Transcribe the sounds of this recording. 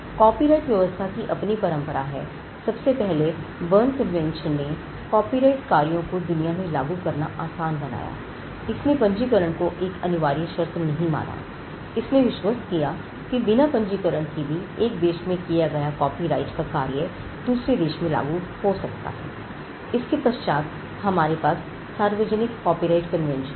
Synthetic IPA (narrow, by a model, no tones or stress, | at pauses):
kɔːpiɾaːɪʈʋjɐʋəst̪ʰakiʔɐpnipɐɾə̃mpəɾaɦɛ̰ː | sɐbsepɛɦlebəːnkɐbʋɛ̃nʃənːe | kɔːpiɾaːɪʈkaːɾijõkod̪ʊnijamẽlaːɡukɐɾnaʔaːsaːnbɐna̰ːja̰ː | ɪsnẽpɐ̃ɲd͡ʒikəɾəɽ̃koʔeːkɐnʊʋaːɾiʃɐɾt̪nɐɦĩma̰ːna̰ | ɪsneʋɪʃwəskija | kibɪnapə̃ɲd͡ʒikəɾəɽ̃kibʱieːk̚d̪eːʃmẽkijaɡɐjakɔːpiɾaːɪʈkakaːɾjə | d̪uːsɾed̪eːʃmẽla̰ːɡuhosɐkt̪a̰ɦɛ̰ː | ɪskepɐʃt͡ʃaːt̪ | ɦɐmaːɾepaːsː | aːɾʋəd͡ʒənɪkːɔːpiɾaːɪʈkənʋɛ̃nʃə